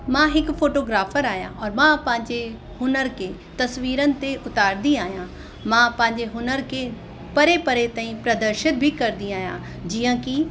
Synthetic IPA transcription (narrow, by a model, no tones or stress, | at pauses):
mãɦɪkfʰoːʈoːɡɾaːfʰəɾaːɦjã̰ʔɔːɾmãpɐ̃ɦɪ̃ɲd͡ʑe | hʊnəɾkʰe | t̪ɐsʋiːɾənɪ̆t̪eʔʊt̪aːɾd̪iaːɦijã | mãpɐ̃ɦɪ̃ɲd͡ʑeɦʊnəɾkʰe | pɐɾepɐɾet̪ãːĩpɾɐd̪əɾʃɪt̪̚bʱikɐɾd̪ĩaːɦjã | d͡ʑijãːki